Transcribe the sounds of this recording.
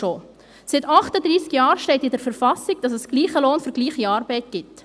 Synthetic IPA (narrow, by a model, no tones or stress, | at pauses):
o | sɪtɑχtədɾiːskjɑːɾʃtɛɪtɪdəɾfəɾfɑsɪɡ̥̚d̥ɑsɛsɡ̥liːχəloːnfʏɾɡliːχiɑːɾbɛɪt̚ɡ̥ɪt